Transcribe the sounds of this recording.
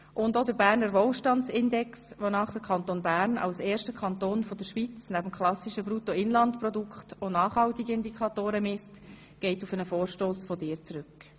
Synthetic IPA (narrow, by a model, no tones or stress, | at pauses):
ʔʊndod̪əɾbæːɾnəɾvoːlʃtɑnt͡sɪndɛks | ʋonɑːχd̥əɾkʰɑnt̪onbæːɾnɑ̰wseːɾʃtəkʰɑnt̪oːnfod̥əɾʃʋit͡snæb̥əm̩kʰχlɑsiʃəbɾutoɪnlɑntpɾɔdukχtonɑːχhɑltiɡɪnd̪ikʰɑt̪oːɾəmɪst | ɡ̥ɛɪtufənəfoːɾʃtoːsfɔdɪːɾt͡sɾʏk